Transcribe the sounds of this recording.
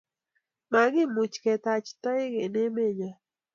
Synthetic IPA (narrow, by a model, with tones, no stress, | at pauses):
ma˨ɡɪ˦mu˨t͡ʃkɛ˨t̪a˨t͡ʃt̪ɔ˦ɪ˦ɡe˨ne˦me˦˨ɲa˨